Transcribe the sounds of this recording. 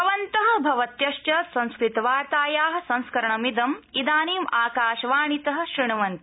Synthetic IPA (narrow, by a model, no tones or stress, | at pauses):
ɐʋɐnt̪ɐɦɐ̆bʱɐʋɐt̪jɐʃjɐsɐ̃ñskɾit̪ɐʋaːɾt̪aːjaːɦɐ̆sɐ̃ñskɐɾɐɳɐmid̪ɐmid̪aːniːmaːkaːʃɐʋaːɳit̪ɐɦɐ̆ʃɾiɳɐʋɐnt̪